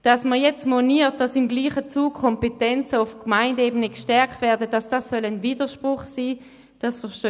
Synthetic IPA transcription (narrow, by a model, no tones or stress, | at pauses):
d̥ɑsməjɛt͡stmoniːɐt̚d̥asɪmɡliːχət͡suːkkʰɔmpetɛnt͡səʊfkmaɪndeːbənəkʃtɛɐktvɛɐdədasd̥asːœlənviːdəʃpʁʊχsiː | d̥asfəʁʃtø